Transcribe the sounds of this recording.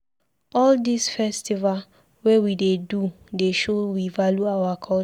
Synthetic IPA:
ɔldisfɛstival | wɛwidedu | deʃowivaljuawakʰɔl

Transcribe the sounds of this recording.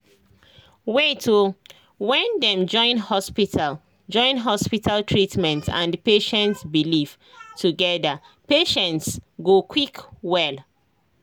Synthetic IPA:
wetʰu | wɛ̃ndɛ̃md͡ʒɔ̃ɪ̃nhɔspitʰal | d͡ʒɔ̃ɪ̃nɦɔspitʰaltʰɹitmɛ̃ntã̰npeʃɛ̃ntsbiliv̥ | tʰuɡɛda | peʃɛ̃ntsɡokʰwikwɛl

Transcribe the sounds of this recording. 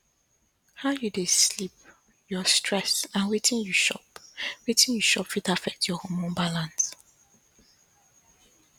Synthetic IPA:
haʊjudeslip̚ | jɔstʰɹɛsãnwetʰĩnjuʃɔ̰pwetʰĩnjuʃɔpfidafɛk̚tjɔhɔmɔ̃nbalãns

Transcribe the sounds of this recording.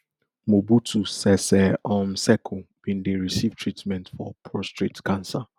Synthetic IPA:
mobutusɛsɛɔmsɛkʰubĩndeɹisivtʰɹitmɛ̃ntfɔpʰɔstɹitkãnsa

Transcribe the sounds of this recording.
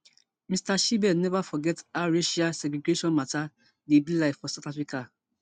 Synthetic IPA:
mistaʃibɛdnɛvafɔɡɛtaɹeʃiasɛɡɾeɡeʃɔ̃nmata | debilaɪffɔsaʊtafɹika

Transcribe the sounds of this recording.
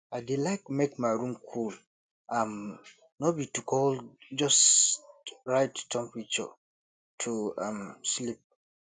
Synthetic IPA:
aɪdilaɪkmekmaɪɹũmkʰul | ʔãm | nobitukʰɔld͡ʒʌs | ɹaɪttʰɛ̃mpɹit͡ʃə̰ | tʰuamslip̚

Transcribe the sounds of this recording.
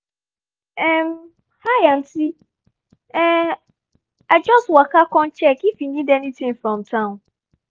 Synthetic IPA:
ɛm | hajan̩tʰi | ɛ | ad͡ʒɔstwakakɔ̃nt͡ʃʰɛkifiɲĩdɛnĩtʰɪ̃ŋfɹɔ̃mtʰãʊ̃n

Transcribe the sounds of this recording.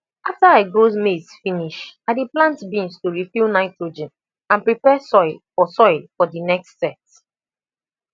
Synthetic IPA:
aftəaɪɡozmedsfĩniʃadiplãntbĩnstuɹifilnaɪtɹod͡ʒɛ̃n | ãnpɹipɛsɔɪlfɔsɔɪlfɔdinɛkstːɛt̚

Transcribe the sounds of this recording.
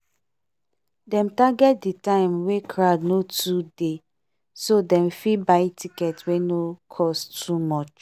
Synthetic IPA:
dɛ̃mtaɡɛt̚ditãɪmwekʰɹadnotʰude | sodɛ̃mfibaɪtʰikɛtwenokʰɔstumɔt͡ʃ

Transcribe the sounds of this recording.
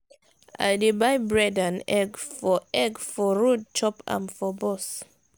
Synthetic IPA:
ʔa̰jdebajbɹɛdãnɛɡfɔʔɛɡfɔɹud̚t͡ʃɔpã̰mfɔbɔs

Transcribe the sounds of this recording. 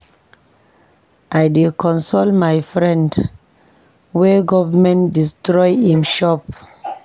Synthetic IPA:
ʔajdekʰɔ̃nsolmajfɹɛ̃nd | wɛɡɔvəmɛ̃ntdistɹɔjĩmʃɔp

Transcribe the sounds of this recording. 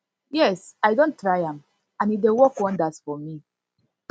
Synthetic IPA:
jɛsaɪdõntːɹaɪãm | ãnidewɔkɔ̃ndatfɔmi

